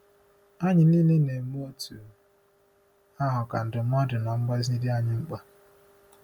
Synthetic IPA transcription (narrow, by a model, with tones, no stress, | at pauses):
a˦ɲɪ˨nɪ˦lɪ˦ne˨m˦o˦tu˨ | a˦ɦʊ˨ka˨n̩˨dʊ˨˦mʷ˦ɔ˦dɪ˨n˨ɔ˨ŋ͡m̩˦ba˦zni˦dɪ˦a˦ɲɪ˨ŋ͡m̩˦k͡pa˦